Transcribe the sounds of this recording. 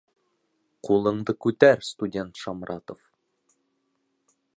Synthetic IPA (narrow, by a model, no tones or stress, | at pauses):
qulˠɤ̆ɴd̪ɤkʉt̪æɾst̪udʲe̞nt̪ʃɑmɾʔɑ̰t̪ŏf